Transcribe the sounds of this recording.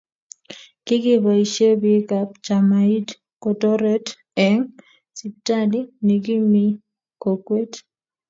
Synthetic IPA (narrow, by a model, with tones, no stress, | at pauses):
kɪ˦ɡɪ˦bɔ˨i˨ʃe˦bi˦ka˨p̚t͡ʃa˨mai˦d | ko˨tɔ˦ɾɛ˦t | ɛ˨ŋ | si˨p̚ta˦li˦ni˨ɡi˦mi˦ | ko˨kwe˦t